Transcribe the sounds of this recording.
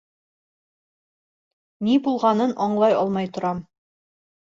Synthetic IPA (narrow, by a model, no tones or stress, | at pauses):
nibulˠʁɑnɤnʔɒɴlˠɑjɒlˠmɑjt̪ŏɾɑm